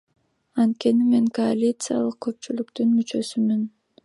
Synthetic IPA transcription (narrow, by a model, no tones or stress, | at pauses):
ɑnt̪̚ke̞nime̞ŋkoalʲit̪sɨja̰lˠɯq̚kʰːø̞p̚t͡ʃylykt̪ynmyt͡ʃø̞symyn